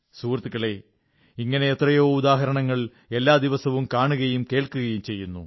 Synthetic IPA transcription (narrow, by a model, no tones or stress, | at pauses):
suːrt̪ːikːɐɭe̞ | iŋːɐne̞ːt̪rɐjo̞ːud̪aːɦɐɾɐɳɐŋːɐɭ | e̞lːaːd̪iʋɐsɐʋumkaːɳuɣɐjumke̞ːɭkuɣɐjumt͡ɕe̞jːunːṵ